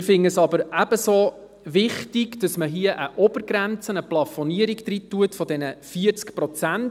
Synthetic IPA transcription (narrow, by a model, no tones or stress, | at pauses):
fɪŋəəsɑbəɾæb̥əsoː | ʋɪχtiɡd̥ɑsməɦiəʔəʔɔb̥əɾɡɾænt͡sənəplɑfɔniəɾiɡd̥̪ɾitːuətfɔdɛnəfiəɾt͡skpɾɔt͡sænt